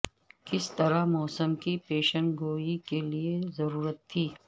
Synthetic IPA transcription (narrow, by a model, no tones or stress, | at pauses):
kɪst̪ɐɾamɔːsəmkipeːʃənɡoːikeliezɐɾuːɾət̪ʰːiː